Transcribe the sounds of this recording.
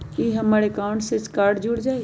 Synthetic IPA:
iɦəməɾekaʊ̃ɳʈset͡ʃkaːɾɖd͡ʒuɽd͡ʒaːj

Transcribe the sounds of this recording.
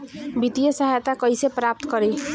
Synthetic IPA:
bit̪ijʌsʌɦajt̪akʌjsepɾap̚t̪kʌɾe

